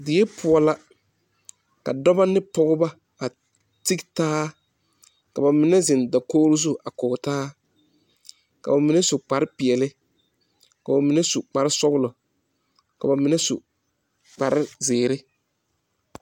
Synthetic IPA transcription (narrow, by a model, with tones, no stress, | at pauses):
dɪ˨jɛ˦pʰʊ˨ɔ˦la˦ | ka˨dɔ˦ba˦nɪ˦pɔ˦ɣʊ˦ba˦ | a˨ | ti˦ktaː˦ | ka˨ba˨mɪ˨nɛ˦zɪ˨nda˨koː˦ɾʊ˦zu˦a˨kɔ˨taː˦ | ka̰˨ba˨mɪ˨˦nɛ˦sʊ˨k͡pa˨ɾɪ˦pɪ˨ɛ˨lɪ˦ | ka˨ba˨mɪ˨nɛ˦su˨k͡pa˨ɾɪ˦sɔ˦ɣʊ˦lʊ˨ | ka˨ba˨mɪ˨nɛ˦su˨ | k͡pa˨ɾɪ˦zɪː˨ɾɪ˦